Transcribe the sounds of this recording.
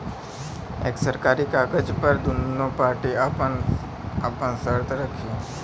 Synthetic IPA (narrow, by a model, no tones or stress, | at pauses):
ḛːksəɾkaɾikaːkəd͡ʒpəɾd̪unːopaɾʈiapən | apənsəɾt̪ɾəkʰie